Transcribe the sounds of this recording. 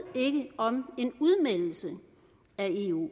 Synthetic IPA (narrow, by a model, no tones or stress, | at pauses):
e̝ɡ̥əɒ̽me̝nuðˠmel̰l̩sə | æe̝ːṵː